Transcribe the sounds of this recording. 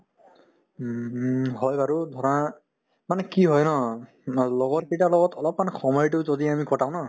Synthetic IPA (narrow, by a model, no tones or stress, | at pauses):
ɦɔjbaɹudʱɔɹɔna | manɛkiɦɔjnɔ | lɔɡɔtkejtalɔɡɔtʰɔlɔp̚manɛxʰɔmɔjtʊzodiamikɔtãw̃na